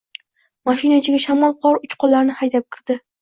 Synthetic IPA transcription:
maʃɪnat͡ʃʰɪɡʲaʃamɒlˠqʰɒɾʊt͡ʃqʰɒlˠːaɾnɪhajd̪ap̚kʰʲɪɾd̪ɪ

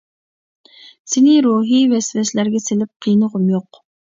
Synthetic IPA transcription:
senɪɾuɦivɛsvɛslæɾɡʲɛselɪp̚qʰijnəʁʊmjoq

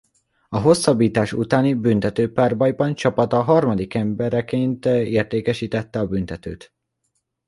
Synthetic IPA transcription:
ɒɦo̞sːɒbːiːt̪aːʃṵt̪aːnibynt̪ɛt̪øːpaːrbɒjbɒnt͡ʃɒpɒt̪ɒɦɒrmɒd̪ikɛmbɛɾɛkeːnt̪eːrt̪eːkɛʃiːt̪ɛt̪ːɛɒbynt̪ɛt̪øːt̪

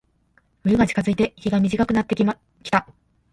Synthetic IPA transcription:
ɯ̟ɾɯ̟ɡat͡ɕi̥kazɨit̪e̞çiɡamʲiʑikakɯ̟nat̪ːe | kʲi̥t̪a

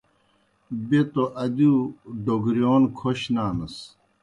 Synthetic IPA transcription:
bet̪oʔɐd̪uɖoɡɾjoːnkʰoɕnaːnɐs

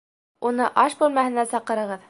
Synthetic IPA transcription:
unɤʔɑʃbʉlmæhɘ̆næsɑqɤ̆ɾɤ̆ʁɤð

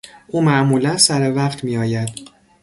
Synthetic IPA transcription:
ʔuːmæʔmuːlænsæɾevæqt̪ʰmiːjɒːjæd̪̥

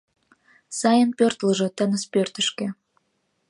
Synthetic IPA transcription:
sɑjənpørt̪lə̆ʒɤ̆t̪ə̆nə̆spørt̪ə̆ʃkĕ

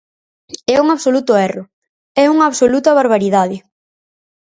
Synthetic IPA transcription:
ɛuŋaβsolut̪ʊɛrʊ | ɛuŋɐːβsolut̪ɐβaɾβaɾiðaðɪ

